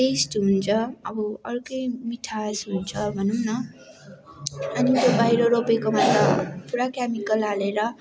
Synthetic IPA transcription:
t̪esʈɦunt͡sʰʌʌbʌʌɾkʌjmiʈʰasɦunt͡sʰʌbʱʌnunʌ | ʌnit̪obʱajɾʌɾopekomat̪ʌ̰pʰuɾakjamikʌlaleɾʌ

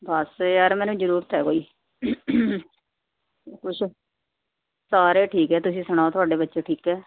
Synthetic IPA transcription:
bəsjaːɾmɛ̃ːnũːd͡ʒəɾuːɾt̪ɛːkoːiː | kʊt͡ʃʰ | saːɾeːʈʰiːkɛːt̪ʊsĩːsəɽ̃aːot̪ʰʊaːɖeːbətːʃeːʈʰiːkɛː

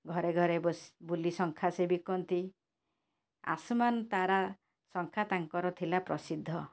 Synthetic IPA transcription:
ɡʱɔɾeɡʱɔɾebsbulisɔŋkʰasebikɔnt̪i | a̰sɔmanɔt̪aɾa | sɔŋkʰat̪aŋkɔɾɔt̪ʰilapɾɔsid̪ʱːɔ

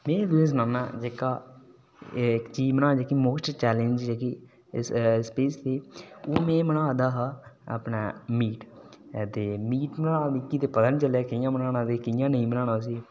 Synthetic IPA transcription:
mẽːd̪ues̬nãːna̰ːd͡ʒeːkaː | kt͡ʃiːd͡ʒmənãːd͡ʒeːkiːmoːsʈt͡ʃɛːlend͡ʒd͡ʒeːkiː | sspeːst̪eːoːmẽːmənaːd̪aːɦaə̰pnaːmiːʈt̪eːmiːʈmənãːnɪkːiːt̪eːpəd̪ənt͡ʃəlaːkɪjãːmənãːnãːd̪eːkɪjãːnəĩːmənãːñãːs̬iː

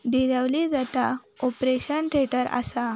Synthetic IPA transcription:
ɖiɾəʋlid͡zat̪a | opɾeɕənʈʰɾeʈəɾa̰sa

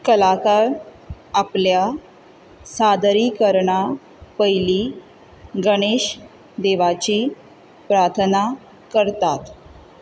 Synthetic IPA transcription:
kəlakaɾ | aplja | sad̪ɾikəɾɳa | pəjliː | ɡəɽ̃eɕ | d̪eʋat͡ɕi | pɾaɾt̪ʰəna | kəɾt̪at̪

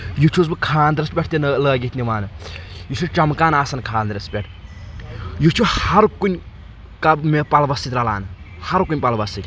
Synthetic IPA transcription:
jut͡ʃʰuz̬bɨkʰaːnd̪ɾɐspʲeʈ̚ʰt̪enləːɡit̪ʲniʋaːnɨjut͡ʃʰut͡ʃɐmkaːnaːsɐnkʰaːnd̪ɾɐspʲeʈʰ | jut͡ʃʰuhɐɾkunʲ | kɐmepɐlʋɐsit̪ʲɾɐla̰ːnɨ | hɐɾkunʲpɐlʋɐsit̪ʲ

